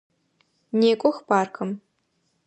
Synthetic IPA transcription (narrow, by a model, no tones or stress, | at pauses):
neːkʷʼɔxbaːrkʰɐm